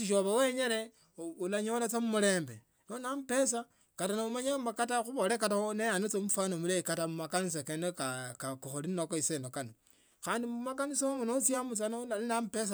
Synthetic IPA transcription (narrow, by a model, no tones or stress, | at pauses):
siʃoβaweɲeɾe | ulaɲolat͡samumuɾe̞ːmbe | nonamupe̞sa | katanaumaɲamakataxuβolekataonejanot͡somufwanomulekatamumakanis̬akenekakakuxolinnokoisenokano | xaːndimumakanisomonot͡sjamut͡sanolnamupes̬a